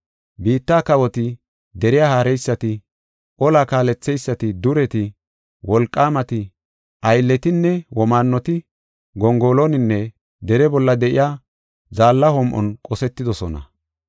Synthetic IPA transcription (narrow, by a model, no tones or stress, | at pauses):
biːt̪ːaːkɐwɔt̪ɪ | d̪ɛɾɪjaːhaːɾɛjsːɐt̪ɪ | ʔɔlakaːlɛt͡sːɛjsːɐt̪ɪd̪ʊɾɛt̪ɪ | wɔlkʼːaːmɐt̪ɪ | ʔɐjlːɛt̪ɪnːɛwɔmaːnːɔt̪ɪ | ɡɔŋɡoːlonɪnːɛ | d̪ɛɾɛbɔlːɐd̪ɛʔɪ̰jaː | zaːlːɐhɔmʔɔ̰nkʼɔsɛt̪ːɪd̪ɔsɔnɐ̰